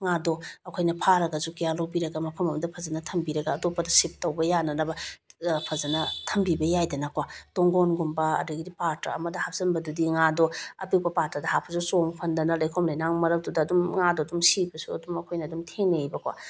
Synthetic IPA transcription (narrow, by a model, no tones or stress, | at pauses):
ŋadoɐkʰojnɐpʰaɾɐɡɐzukijalowbiɾɐɡɐmɐpʰɐmɐmɐdɐpʰɐzɐnɐtʰɐmbiɾɐɡaːtopːɐdɐsip̚towbɐjanɐnɐbɐpʰɐzɐnɐtʰɐmbibɐjajdɐnɐkwatoŋɡonɡumbɐɐ̰duɡidipaɾtɾɐ̰ɐ̰mɐdɐhap̚sɐnbɐdudiŋadɔɐpik̚pɐpaɾtɾɐdɐhapʰɐzusoŋpʰɐndɐnɐlɐjkʰomlajnaŋmɐɾɐp̚dudɐːdumŋadɔdumsibɐsuɐ̰dumɐkʰojnɐːdumtʰeŋnejbɐkwa̰